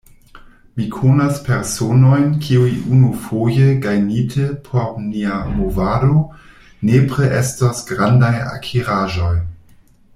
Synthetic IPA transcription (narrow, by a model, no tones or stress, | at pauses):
mikʰonaspeɾsono̞jnkʰiujiʔunufojəɡajnitʰəpʰoɾniamovado | nepɾeʔestasɡɾandaja̰kʰiɾaʒo̞j